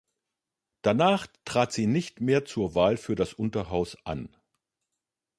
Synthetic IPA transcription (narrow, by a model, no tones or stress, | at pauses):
d̥anaːχtʁ̥aːtz̥iːnɪçtmeːɐt͡suːɐvaːlfyːɐdasʔʊntɐɦaʊsʔa̰n